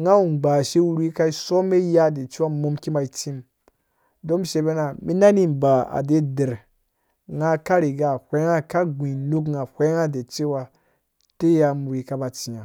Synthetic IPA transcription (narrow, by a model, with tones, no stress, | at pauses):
ŋa˦u˨ɡ͡ba˨ʃe˦wu˦ɾi˦ka˦i˦so˦me˦ja˦de˨t͡ʃi˦wa˦mo˦mki˦ma˨i˦t͡ʃi˦m | do˦mʃe˨be˦na˨mi˦na˦ni˦mba˨a̰˨de˦de˨ɾ | ŋa˦ka˦ɾi˨ɡa˨hʷe˦ŋa˦ka˦ɡʷi˨lu˦kŋa˨hʷe˦ŋa˦de˨t͡ʃi˦wa˦ | te˦ja˨mu˨ɾi˨ka˦ba˨t͡ʃi˨ɲa˨